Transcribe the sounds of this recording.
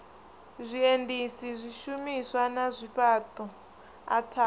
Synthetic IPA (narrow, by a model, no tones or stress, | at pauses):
zʷiendisizʷiʃumiswanazʷiɸatɔ | a̰tʰa